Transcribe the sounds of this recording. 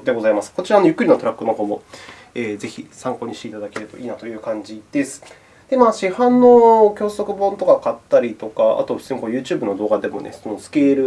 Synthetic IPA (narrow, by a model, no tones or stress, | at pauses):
d̪e̞ɡo̞zaimasɨ̥ko̞t͡ɕiɾaːno̞jɯ̟kːɯ̟ɾʲinot̪o̞ɾakːɯnoɡomo̞ | eːze̞çʲisãŋko̞ɲ̟iɕit̪eit̪ad̪ake̞ɾɯt̪o̞ʔiːnat̪o̞jɯ̟ːkãɲ̟d͡ʑid̪̥e̞sɨ̥ | d̪̥e̞maːɕihãnːo̞kʲo̞ːso̞kɯ̟bõ̞nt̪o̞kakat̪ːaɾʲit̪o̞kaa̰t̪o̞seŋkojɯ̟ːt͡ɕɨːbɯ̟no̞d̪o̞ːɡad̪e̞mo̞̰ne̞̰so̞no̞sɨ̥kʲe̞ːɾɯ̟